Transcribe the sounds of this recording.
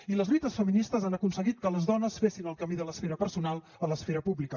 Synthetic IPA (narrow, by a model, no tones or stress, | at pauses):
iləzlit̪əsfəminist̪əzanəkunsəɣit̪̚kələzðɔnəsfesinəlˠkəmiðələsfeɾəpəɾsunalˠ | ələsfeɾəpuβlikə